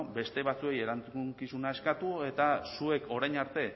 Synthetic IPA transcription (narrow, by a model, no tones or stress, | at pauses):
be̞st̪e̞βat͡sue̞je̞ɾant͡suuŋkisunae̞skat̪ue̞t̪asue̞ko̞ɾajnaɾt̪e̞